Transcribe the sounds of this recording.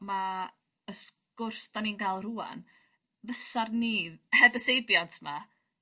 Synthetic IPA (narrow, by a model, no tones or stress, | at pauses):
ma | əs | kʊrsd̥aniːnɡalˠruːa̰n | vəsarniːðhɛdəsejbjantʰma